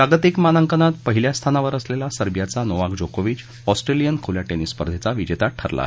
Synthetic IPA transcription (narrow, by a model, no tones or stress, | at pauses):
pɾaɡət̪ikmanəŋkənat̪̚pəɦiljast̪ʰanaʋəɾəslelasəɾbjat͡sanoʋakd͡ʑokoʋiːt͡ɕ | ɔsʈɾelijənkʰoljaʈenisːpəɾd̪ʱet͡saʋid͡ʑet̪aʈʰə̰ɾla̰